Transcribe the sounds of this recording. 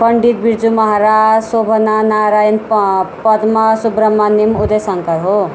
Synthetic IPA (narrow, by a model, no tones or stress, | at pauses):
pʌɳɖid̪̚biɾd͡zumʌɦaɾasobʱʌnanaɾajʌnpʌd̪masubɾʌmːanimud̪ejsʌŋkʌɾɦo